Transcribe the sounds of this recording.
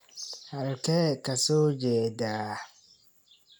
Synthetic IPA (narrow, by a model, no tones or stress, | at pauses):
halkɛkasoːd͡ʒɛːdaː